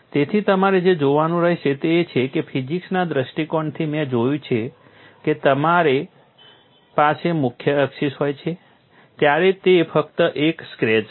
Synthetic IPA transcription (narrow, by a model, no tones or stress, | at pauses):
t̪et̪ʰit̪əmaɾed͡ʒed͡ʒoʋanũɾəɦeʃʰet̪eːt͡ʃʰekefʰid͡ʒiksnad̪ɾəʃʈikɔɳt̪ʰimẽd͡ʒojũt͡ʃʰe | ket̪əmaɾe | pasemʊkʰjəːkʃiʃɦojt͡ʃʰe | t̪jaɾet̪efəkt̪əʔekskɾed͡ʒ